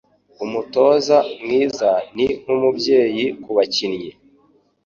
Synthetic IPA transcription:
umuto̞ːzamŋiːzaniŋ̥umubje̞ːjikuβacinje

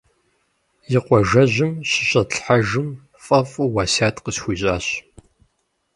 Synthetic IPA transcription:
jɪqʷɔʒɐʑʷɪmɕɪɕʼɐɬħaʒɨm | fʼɐfʼuwaːsaːtqəsxʷiːɕʼaːɕ

